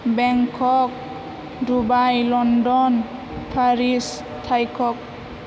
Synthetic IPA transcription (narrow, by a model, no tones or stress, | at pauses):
bɛŋkʰɔk̚ | dubajlɔndɔn | pʰaɾis | tʰajkʰɔk̚